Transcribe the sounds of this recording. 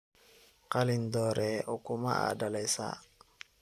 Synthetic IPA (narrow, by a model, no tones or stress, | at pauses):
kalindɔɾɛɔkuma̰a̰dalasa̰